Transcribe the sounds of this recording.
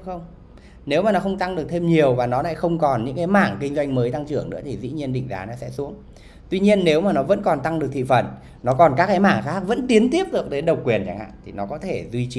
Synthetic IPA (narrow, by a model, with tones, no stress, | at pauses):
xə˧wŋ͡m | ne˨˦wmaː˨˩nɔ˨˦xə˧wŋ͡mt̪a˧ŋɗɨ˨˩ək̚t̪ʰe˧mɲi˨˩əwvaː˨˩nɔ˨˦la̰ː˧˥jxə˧wŋ͡mkɔ˨˩nɲɨ̰˧˥ŋka˨˦jma̰ː˧˨ŋkï˧ŋ̟zwa˧jŋ̟məː˨˦jt̪a˧ŋt͡ɕɨ˧˩əŋnɨ̰˧˥ət̪ʰi˨˩zḭ˧˥ɲi˧ənɗḭ˧˨ŋ̟za̰ː˨˦na˨˦sɛ̰˧˥su˨˦əŋ | t̪wi˧ɲi˧ənːe˨˦wmaː˨˩nɔ˨˦və̰˧˥nkɔ˨˩nt̪a˧ŋɗɨ˨˩ət̪ḭ˧˨fə˧˩n | nɔ˨˦kɔ˨˩nkaː˦˥k̚kaː˨˦ma̰ː˧˨ŋxaː˦˥k̚və̰˧˥nt̪i˨˦ənt̪i˦˥əp̚ɗɨ˨˩ək̚t̪e˨˦nɗə˨˩wkwi˨˩ənt͡ɕa̰ː˧˩ŋha̰ː˧˨t̪ʰi˨˩nɔ˨˦kɔ˨˦t̪ʰe˧˩zwi˧t͡ɕi˨˧